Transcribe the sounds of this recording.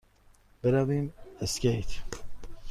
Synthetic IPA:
b̥eɾaviːmeskejt̪

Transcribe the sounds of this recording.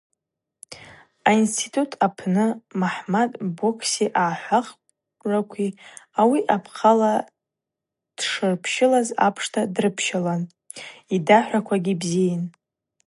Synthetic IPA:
ainstʰitʰʼutʰapʰnɨmaħmadbokʰsiʔaːħʷaχ | rakʷʰiawiʔapʰqʰala | d̥ʂɨrpʰʃɪlazapʰʂtʰadrɨpʰʃalan | idaħʷakʷʰaɡʲibzijan

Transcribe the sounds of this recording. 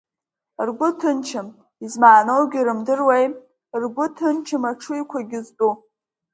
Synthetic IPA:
rɡʷʊtʰɨnt͡ʃʰɨm | izmaːnowɡʲiɾɨmdɨrwej | rɡʷʊtʰɨnt͡ʃʰɨmaʈ͡ʂʰujkʷʰaɡʲɪzt͡pʼu

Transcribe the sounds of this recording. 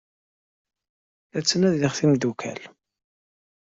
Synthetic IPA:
æt͡sːənæðləχθimd̪ukʰæ̰l

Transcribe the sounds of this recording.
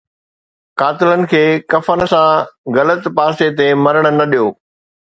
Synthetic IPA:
kaːt̪ɪlənɪ̆kʰeːkɐfən̆sãɣɐlət̪paːset̪emɐɾəɽ̃ə̆nɐɗijoː

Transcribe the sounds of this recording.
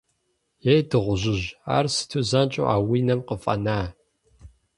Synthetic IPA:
jejdɨʁʷʊʒɪʑa̰ːrsɨ̥tʰuzɐnt͡ʃʼo̰ʔa̰ːwiːnɐmqəfʼɐ̰naː

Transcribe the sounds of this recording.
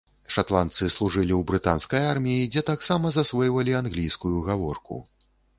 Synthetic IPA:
ʂat̪lˠant̪sɨslˠuʐɨlʲiwbɾɨt̪a̰nskɐjarmʲijid͡zʲɛt̪aksamɐzasvɔjvɐlʲianɣlʲijskujuɣavɔrkṵ

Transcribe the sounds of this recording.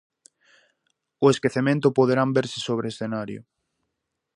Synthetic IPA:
ʊeskeθemẽnt̪ʊpoðeɾambeɾsɪ̥soβ̞ɾeːsθenaɾjʊ̰

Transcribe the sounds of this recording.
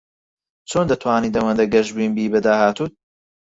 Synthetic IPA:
t͡sʰoːnd̪ɐt̪ʰwaːnid̪ɐwɐnd̪ɐɡɐʒbiːnbiːbɐd̪aːhaːt̪uː

